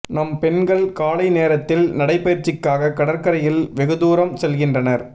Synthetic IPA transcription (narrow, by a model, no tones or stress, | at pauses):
nɐmpɛnɡɐɭkaːlɐɪneːɾɐt̪ːɪlnɐɽɐɪpːɐjɾt͡ʃɪkːaːɣɐkːɐɽɐɾkɐɾɐjɪlʋɛɣɯðuːɾɐmsɛlɣɪndrɐnɐɾ